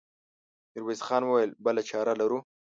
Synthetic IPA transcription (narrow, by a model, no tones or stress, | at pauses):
ɪɾwezxɑːnwəwajəlbəlat͡ʃʰɑːɾalaɾu